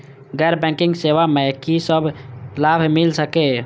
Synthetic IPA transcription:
ɡɛɾbɛ̃kĩŋɡseʋamekisəbʱlabʱmilsəke

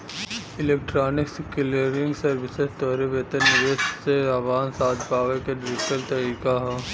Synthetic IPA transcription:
ɪleːk̚ʈɾaːnɪksɪkɪleɾɪ̃ŋɡsɐɾʋɪsest̪ɔːɾeʋeːt̪ənnːɪʋeːsseaʋaːnsaːt̪ʰpaːʋekeɖɾɪʈəlt̪ɐɾiːkaɦɛː

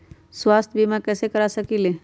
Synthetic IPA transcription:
swaːst̪ʰbʱimakɛːsekɐɾasɐkileː

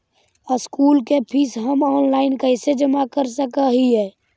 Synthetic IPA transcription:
əskuːlkepʰisɦəmɔːnlaːɪnkəɪsed͡ʒəmakəɾsəkəɦiɦɛː

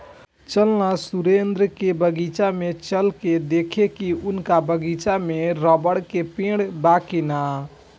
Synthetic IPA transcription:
t͡ʃəlnasuɾend̪ɾəkebəɡit͡ʃamet͡ʃəlked̪ekʰekiunkabəɡit͡ʃameɾəbəɽkepẽɽbakina

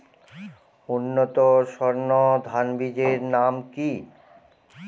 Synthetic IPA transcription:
unːot̪oʃɔɾnod̪ʱanbid͡ʑeɾnamki

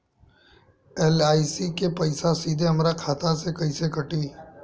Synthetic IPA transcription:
ɛːlaːisikepɐɪsasiːd̪ʱeɦɐmɾakʰaːt̪asekɐisekɐʈiː

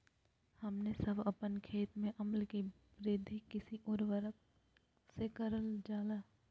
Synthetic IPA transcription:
hɐmnesɐbʱɐpənkʰeːt̪mẽʔɐməlki | pɾɪːd̪ʱikɪsiʔʊɾʋəɾək | sekɐɾəld͡ʒaːlaː

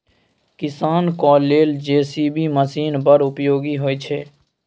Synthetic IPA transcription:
kɪsaːnkɔːlːeːld͡ʒeːsiːbʱiːməsiːnbəɾʊpjoːɡiɦoːiːt͡ʃʰeː

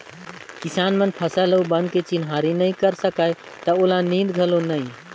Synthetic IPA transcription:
kisanmənpʰəsələwbənket͡ʃinɦaɾinəjkəɾsəkaj | t̪əolanĩd̪ɡʱəlonəj

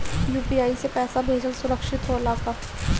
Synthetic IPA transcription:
juːpiːaːisepɛːsabʱeːd͡ʒəlsʊɾəkʃɪt̪ɦoɐlaːkaː

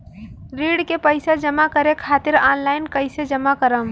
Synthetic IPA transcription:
ɾiːɽkepəɪsad͡ʒəmakəɾekʰaːt̪ɪɾaːnlaːɪnkəɪsed͡ʒəmakəɾəm

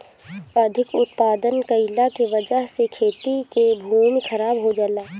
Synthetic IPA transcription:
əd̪ʱɪkʊt̪paːd̪ənkɐɪlakeʋɐd͡ʒəɦsekʰeːt̪ikebʱuːmixʰɐɾaːbɦod͡ʒalaː

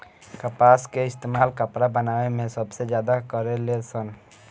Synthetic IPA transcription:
kəpaːskeɪst̪eːmaːlkəpɾabənaːwemẽsəbsed͡ʒjaːd̪akəɾelesən

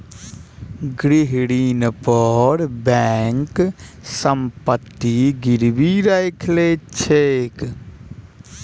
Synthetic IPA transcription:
ɡɾiɦɽinpəɾbɛŋk | səmpət̪ːiɡiɾbiɾəjkʰlet͡ʃʰek

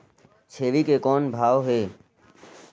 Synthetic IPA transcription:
t͡ʃʰeːʋikekɔːnbʱaːʋɦeː

